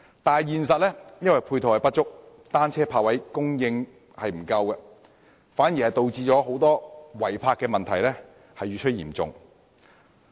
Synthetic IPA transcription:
t̪aː˨jjiː˨nsɐ˨t̚lɛː˥jɐ˥nwɐ˨jpʰuː˧jt̪ʰhɐ˨jpɐ˥t̚t͡ʃʊ˥k̚ | t̪aː˥nt͡sʰɛː˥pʰaː˧k̚wɐ˨˥jkʊ˥ŋjɪ˧ŋ | hɐ˨jm̩˨˩kɐ˧wkɛ˧ | faː˨˥njiː˨˩hɐ˨jt̪o˨˧wt͡siː˧t͡ʃɔː˨˥ɦo˨˥wt̪ɔː˥wɐ˨˩jpʰaː˧kːɛː˧mɐ˨nt̪ʰɐ˨˩jlɛː˥ | hɐ˨jyː˧t͡ʃʰɵ˥jḭː˨˩mt͡sʊ̰˨ŋ

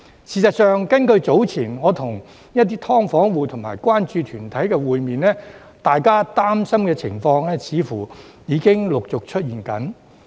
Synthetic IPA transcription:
siː˨˩sɐ˨t̚sœː˨ŋkɐ˥nkɵ˧ɥt͡so˨˥wt͡sʰiː˨˩nŋɔː˨˧t̪ʰʊ˨˩ŋ | jɐ˥t̚t̪iː˥t̪ʰɔː˥ŋfɔː˨˥ŋwuː˨˧t̪ʰʊ˨˩ŋmaː˨˩jkʷwaː˥nt͡ʃyː˧t̪ʰyː˨˩nt̪ʰɐ˨˥jkɛː˧wuː˨jmiː˨nlɛː˥ | t̪aː˨jkaː˥t̪aː˥msɐ˥mkɛː˧t͡sʰɪ˨˩ŋfɔː˧ŋlɛː˥t͡sʰiː˨˥fuː˨˩jiː˨˧kɪ˥ŋlʊ˨k̚t͡sʊ˨k̚t͡ʃʰɵ˥t̚jiː˨˩nkɐ˨˥n

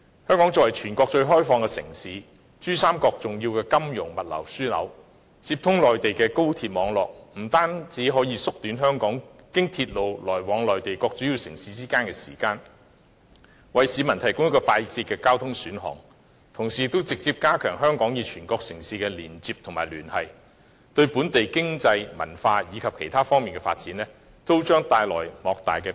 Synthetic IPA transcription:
hœː˥ŋkɔ˨˥ŋt͡sɔ˧˨wɐ˨˩jt͡ʃʰyː˨˩nkɔː˧k̚t͡ʃɵ˧ɥɦɔː˥jfɔː˧ŋkɛː˧sɪ̰˨˩ŋsiː˨˧ | t͡ʃyː˥saː˥mkɔː˧k̚t͡sʊ˨ŋji˧wkɛː˧kɐ˥mjʊ˨˩ŋmɐ˨t̚lɐ̰˨˩wsyː˥lɐ̰˨˥w | t͡siː˧p̚t̪ʰʊ˥ŋlɔː˨jt̪e˨jkɛː˧ko˥wt̪ʰiː˧t̚mɔː˨˧ŋlɔ̰ː˨k̚m̩˨˩t̪aː˥nt͡siː˨˥ɦɔː˨˥jiː˨˧sʊ˥k̚t̪yː˨˥nɦœː˥ŋkɔː˨˥ŋkɪ˥ŋt̪ʰiː˧t̚lo˨˧wlɔː˨˩jwɔː˨˥ŋlɔː˨˩jt̪e˨jkɔː˧k̚t͡ʃyː˨˥ji˧wsɪ˨˩ŋsiː˨˥t͡siː˥kaː˥nkɛː˧sḭː˨˩kaː˧n | wɐ˨jsiː˨˧mɐ˨˩nt̪ʰɐ˨˩jkʊ˥ŋjkɔː˧faː˧jt͡si˧t̚kɛː˧kaː˥wt̪ʰʊ˥ŋsyː˨˥nɦɔ̰ː˨˩ŋ | t̪ʰʊ˨˩ŋsiː˨t̪o˥wt͡sɪ˨k̚t͡siː˧p̚kaː˥kʰœː˨˩ŋɦœː˥ŋkɔː˨˥ŋjiː˨˧t͡ʃʰyː˨˩nkɔː˧k̚sɪ˨˩ŋsiː˧kɛː˧liː˨˩nt͡siː˧p̚t̪ʰʊ˨ŋmaː˨jlyː˨˩nhɐ˨˩j | t̪ɵ˧ɥpuː˨˥nt̪e˨jkɪ˥ŋt͡sɐ˧jmɐ̰˨˩nfaː˧jiː˨˧kʰɐ˨p̚kʰe˨˩jt̪ʰaː˥fɔː˥ŋmiː˨nkɛː˧faː˧t̚t͡siː˨˥nlɛː˥ | t̪o˥wt͡ʃœː˥ŋt̪aː˧jlɔ̰ː˨˩jmɔː˨˧k̚t̪a̰ː˨jkɛː˧

